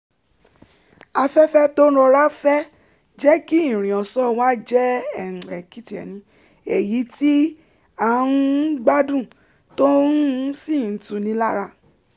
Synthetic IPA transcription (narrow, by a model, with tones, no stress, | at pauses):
a˧fɛ˦fɛ˦tõ˦ɾɔ˧ɾa˦fɛ˦ | d͡ʒɛ˦ki˦˨ɾ̃ĩ˨ɔ̃˨sɔ˦wa˦d͡ʒɛ˦ɛ˨ɛ˨ki˦ti˨ɛ̰˨nĩ˨˦ | e˨ji˨˦ti˦ | a˨˦nũ˦ɡ͡ba˦dũ˦˨ | to˦si˦˨n̩˨˦tũ˧˦nĩ˧˦la˦ɾa˧